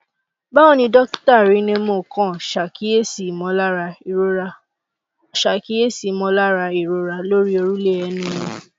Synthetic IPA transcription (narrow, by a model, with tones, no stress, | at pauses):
ba˦wɔ̃˦nĩ˧dɔ˦kta˦˨ɾi˨˦nẽ˧mõ˨kɔ̃˨˦˨ʃa˨ki˨˦e˦˨si˨mɔ̃˧˦la˦ɾa˧i˨ɾo˦ɾa˧ | ɔ˨ʃa˨ki˦e˦˨si˨mɔ̃˧˦la˦ɾa˧i˨ɾo˦ɾa˧lo˦ɾi˦o˧ɾu˦le˦ɛ˧˦nĩ˦˨˧